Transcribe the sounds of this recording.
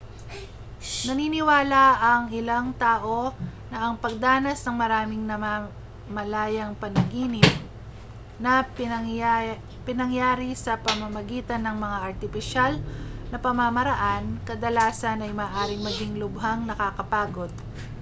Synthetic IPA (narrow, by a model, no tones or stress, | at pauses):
nɐniːnɪwaːlɐɐŋɪlaŋt̪aːʔo̞nɐʔɐŋpɐɡ̚d̪aːnɐsnɐŋmɐɾaːmɪŋnɐa | mɐlaːjɐŋpɐnɐɡiːnɪt̪̚ | nɐ | pɪnɐŋjaːɾisɐpɐmɐmɐɡiːt̪ɐnːɐŋmɐŋaʔɐɾt̪ɪfɪʃalnɐpɐmamɐɾɐʔankɐd̪ɐlaːsɐnɐjmɐːʔaːɾɪŋmɐɡiŋlʊbɦaŋnɐkaːkɐpaːɡo̞d̪̚